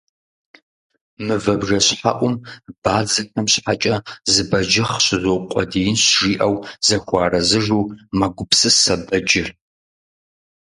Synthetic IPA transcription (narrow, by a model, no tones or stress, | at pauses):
mɨvɐbʒɐɕħa̰ʔʷʊmb̥aːd͡zɐxɐmɕħat͡ʃʼɐzɨbɐd͡ʒɐχɕɪzoqʷʼɔ̰dijɪnɕʒiːʔɐwz̥ɐxʷɑːrɐzɨʒuːmɐɡʷʊpsɨsɐbɐd͡ʒɪr